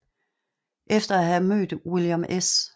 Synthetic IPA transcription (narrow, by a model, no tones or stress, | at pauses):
ʔefd̥ɐæɦæmø̰ːd̥wiljomʔes